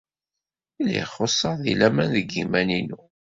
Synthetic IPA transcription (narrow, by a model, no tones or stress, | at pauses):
ilḭχosˤːɑʁðḭlæmænðəɡimæninu